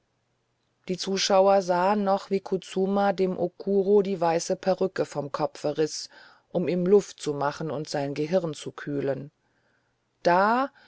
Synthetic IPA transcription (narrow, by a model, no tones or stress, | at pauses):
d̥iːt͡suːʃaʊɐzaːənːɔχv̥iːkʰut͡suːmadeːmʔokʰuːʁodiːvaɪsəpʰaʁʏkəfɔmkʰɔpfɛʁɪs | ʔʊmiːmlʊftt͡sumaχn̩ʊntz̥aɪnɡəɦɪʁnt͡sukʰyːlən | d̥aː